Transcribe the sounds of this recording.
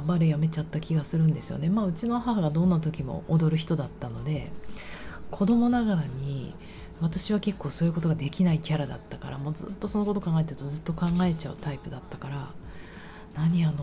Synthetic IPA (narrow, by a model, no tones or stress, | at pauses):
baɾejame̞t͡ɕat̪ːakʲiɡasɨɾɯ̟̃nd̪e̞sɨjo̰ne̞maːɯ̟t͡ɕino̞ɦaɦaɡad̪onːat̪̬o̞kʲimo̞̰ʔod̪o̞ɾɯ̟ç̬i̥t̪o̞d̪at̪ːano̞d̪e̞ | kʰo̞d̪o̞mo̞naɣaɾaɲ̟i | β̞at̪aɕiβake̞kːo̞ːso̞ːjɯ̟ko̞t̪̬o̞ɡad̪e̞kʲinaikʲaɾad̪a̰t̪ːakaɾamo̞ːzɨ̰t̪ːo̞so̞no̞ko̞t̪o̞kãŋɡae̞t̪eɾɯ̟t̪ozɨt̪ːo̞kãŋɡae̞t͡ɕaɯ̟t̪aipɯ̟d̪at̪ːakaɾa | naɲ̟iano